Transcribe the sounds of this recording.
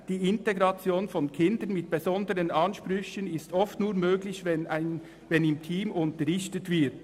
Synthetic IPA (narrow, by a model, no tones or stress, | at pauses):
d̥iːɪnteɡʁɑt͡sjoːnfɔnkʰɪndənmɪt̚b̥ezɔndəɾənɑnʃpʁʏçənɪstɔftnuːɐmøːɡlɪçvɛnaɪn | vɛnɪmtʰiːmʊntəʁɪçtətv̥ɪɐt